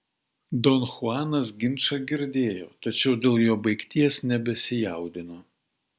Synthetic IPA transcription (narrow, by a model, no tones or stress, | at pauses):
d̪onxʊɑːnɐs̬ɡʲɪnʲˑʃɐɡʲɪɾʲd̪ʲeːjo̰ːt̪ɐt͡ʃʲɛʊd̪ʲeːlˠjoːbɐɪkt̪ʲiɛsnʲɛbʲɛsʲɪjɑˑʊd̪ʲɪnoː